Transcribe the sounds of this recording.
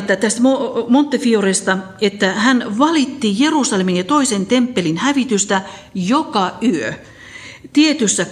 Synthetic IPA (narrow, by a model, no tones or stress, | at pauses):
t̪ːæt̪æst̪momont̪ːefiorest̪ɑ | et̪ːæhænʋɑlit̪ːijerusɑleminjɑt̪oisent̪empːelinhæʋit̪yst̪æjokɑyø | t̪iet̪ysːæ